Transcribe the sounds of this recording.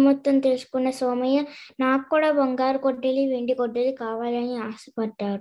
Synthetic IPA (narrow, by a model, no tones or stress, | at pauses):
mɐt̪ːɯnt̪ɛɭskuɳːɐsoːmɐjɐnaːkːɔɽɐbɐŋɡaːɾkɔʈːeliʋeːɳɖikɔʈːelikaːʋaːlaːniaːsɐpɐʈːaːɽ